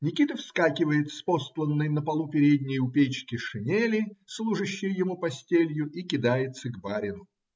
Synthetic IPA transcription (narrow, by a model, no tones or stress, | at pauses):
nʲɪkʲit̪əfskakʲɪvəjɪt̪fsposlˠənːɨjnəpɐlˠupʲɪɾʲedʲnʲɪjʊpʲet͡ɕkʲɪʂɨnʲelʲɪslˠuʐəɕːɪjjɪmupɐsʲtʲelʲjʊʔikʲɪd̪ajɪt̪səɡbaɾʲɪnʊ